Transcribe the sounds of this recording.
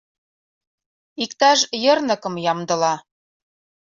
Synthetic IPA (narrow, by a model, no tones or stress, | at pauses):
ikt̪ɑʒjɤ̆rnɤ̆kɤ̆mjɑmd̪ɤ̆lɑ